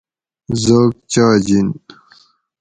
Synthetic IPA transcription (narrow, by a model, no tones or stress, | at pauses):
zok̚t͡ɕaːd͡ʑin